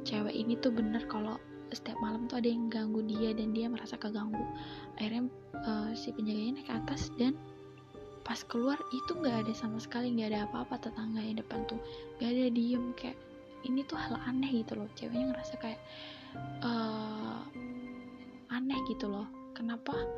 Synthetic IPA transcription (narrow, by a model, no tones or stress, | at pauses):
t͡ʃewɛ̰ʔinit̪uhbənərkalo | sə̥t̪iap̚malamt̪uadajaŋɡaŋɡudiadandiaməɾasakaɡaŋɡuʔairɲa | əːsipəɲd͡ʒaɡaankaat̪asdan | paskəluarit̪uŋɡaːdasamasə̥kaliŋɡaːdaːpaːpat̪ət̪aŋɡajaŋdəpant̪uŋɡaːdadiəmkaja̰ʔ | init̪uhalanɛhɡit̪ulɔht͡ʃḛwaɲaŋəɾasakajaʔ | əː | anɛhɡit̪ulɔh | kənapa